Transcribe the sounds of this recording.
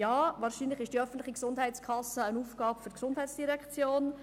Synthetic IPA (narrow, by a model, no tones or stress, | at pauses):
jɑːvɑːɾʃiːnlɪχɪʃd̥iœfən̩tlɪχiksʊnd̥ɦɛɪt͡skʰɑsːəənuːfɡ̥ɑːpfyɾtksʊnd̥ɦɛɪt͡sd̥iɾɛkt͡sjoːn